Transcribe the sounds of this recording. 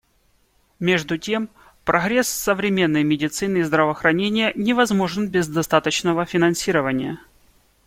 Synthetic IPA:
mʲe̞ʐd̪ʊtʲem | pɾɐɣɾʲe̞ssəvɾʲɪmʲe̞nːəjmʲɪdʲɪt̪sɨnɨizd̪ɾəvəːxɾɐnʲenʲɪjənʲɪvɐzmo̞ʐɨnbʲɪzd̪ɐst̪at̪ət͡ɕnəvəfʲɪnɐnsʲiɾəvənʲɪjə

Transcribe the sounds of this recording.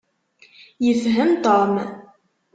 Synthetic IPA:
jəfɦəmt̪om

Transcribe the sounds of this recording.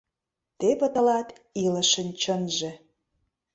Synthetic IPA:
t̪epə̆t̪ə̆lɑt̪ | ilə̆ʃənt͡ɕənʒĕ

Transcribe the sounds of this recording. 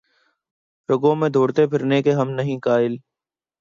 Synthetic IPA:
ɾəɡõːmẽːd̪ʱoːɽt̪eːpʰɪɾneːkeːɦəmnəɦĩːkaːɪl

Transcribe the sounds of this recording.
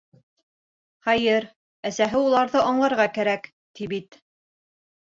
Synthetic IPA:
χɑjɘɾ | æsæɦɘulˠɑɾðɤʔɑɴlˠɑɾʁɑkæɾæk | t̪ʰibit̪

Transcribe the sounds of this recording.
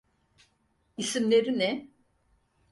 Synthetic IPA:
isimlʲe̞ɾinɛ

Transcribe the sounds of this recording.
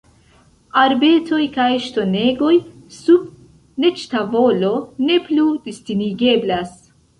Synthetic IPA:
aɾbe̞tʰo̞jkajʃto̞ne̞ɡo̞j | sub | ne̞t͡ʃtavo̞lo̞ne̞plud̥istiniɡe̞blas

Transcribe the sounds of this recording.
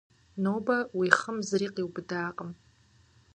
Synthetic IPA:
noːbawiχəmzriːqʼiwbɨdaːqʼəm

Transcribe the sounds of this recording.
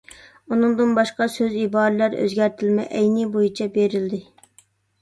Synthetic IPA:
unɨŋd̪ɨnbɑʃqɑsøzibɑːɾɨlæɾø̰zɡʲæɾt̪ʰɪlmɛ̰ʔɛjnɪbojit͡ʃʰɛbeɾɪld̪ɪ

